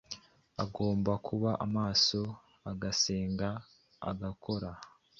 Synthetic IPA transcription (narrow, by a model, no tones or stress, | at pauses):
a̰ɡo̞ːmbakʰuβaʔamaːso̞ | aɡaseːŋɡa̰ː | ɡakʰo̞ɾa